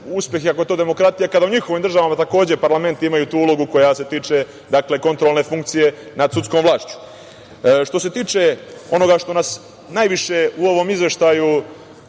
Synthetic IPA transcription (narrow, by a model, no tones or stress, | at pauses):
uspʲjexiako̞e̞t̪o̞d̪e̞mo̞kɾat̪ijakad̪auɲixoʋimd̪ɾrʒaʋamat̪ako̞ːd͡ʑe̞paɾlˠame̞nt̪iimajut̪uːulo̞ɡuko̞jase̞t̪iːt͡ʃe̞ | d̪akle̞ko̞nt̪ɾolˠne̞fuŋk̚t̪sije̞ | nad̪sut̪sko̞ːmʋlˠaːʃt͡ɕu̥ | ʃt̪o̞se̞t̪iːt͡ʃe̞o̞no̞ɡaʃt̪o̞nas | najʋiʃe̞uo̞ʋo̞mizʋjeʃt̪aju